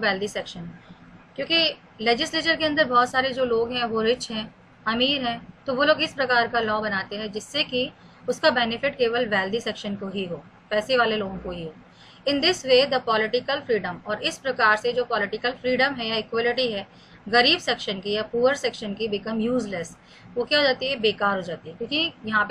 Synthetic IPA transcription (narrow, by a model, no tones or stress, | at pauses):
ʋɛːld̪isɛkʃənkjõːki | lɛːd͡ʒɪsleːt͡ʃəɾkeɐ̃nd̪əɾbɔːt̪saːɾed͡ʒoːloːɡɦɛ̃ʋoɾɪt͡ʃɦɛ̃ː | ɐmiːɾɦɛ̃ːt̪oʋoːloːɡɪspɾɐkaːɾkalɔːbɐnaːt̪eɦɛ̃d͡ʒɪsːeki | ʊskabɛːnɪfɪʈ̚keːʋəlʋɛːld̪isɛːkʃənkoɦiɦoː | pɛːseʋaːleloːɡõkoɦiɦoː | ɪ̃nd̪ɪsʋeːd̪əpɔːlɪʈɪkəlfɾiːɖə̃mɔːɾɪspɾɐkaːɾsed͡ʒoːpɔːlɪʈɪkəlfɾiːɖəmɦɛjaɪkwɔːlɪʈiɦɛː | ɣɐɾiːbsɛːkʃənkijapuːəɾsɛːkʃənkibɪkəmjuːzləs | ʋokjaɦoːd͡ʒaːt̪iɦɛbeːkaːɾɦoːd͡ʒaːt̪iɦɛkjõːkijɐɦãp